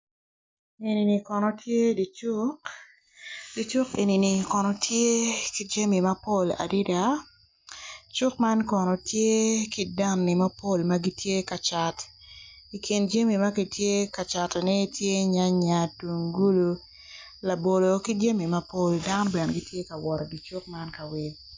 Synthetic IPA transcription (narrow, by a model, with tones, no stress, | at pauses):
e˨ni˨ni˨kɔ˨nɔ˨tje˦di˨t͡ʃʊ˦ | di˨˦t͡ʃʊ˦kḛ˨ni˨ni˨kɔ˨nɔ˨tje˦ki˦d͡ʒa˦mi˨ma˦po˦˨la̰˨di˦da˨ | t͡ʃʊ˦kma˦nkɔ˨nɔ˨tje˦kɪ˦da˦nːɪ˨ma˦po˦˨lma˦ɡi˦tje˦ka˨t͡ʃa˨t | i˨kʰi˨nd͡ʒa˦mi˨ma˦ki˨tje˦ka˨t͡ʃa˨tnɛ˦tje˦ɲa˦ɲa˨tu˨ŋɡu˦lu˦ | la˨bo˨lo˨ki˦d͡ʒa˦mi˨ma˦po˦lda˦nɔ˦bɛ˨nɡi˦tʰje˦ka˨wɔ˨ɾɔ˨ɡi˨t͡ʃu˦k̚ma˦nka˨wi˨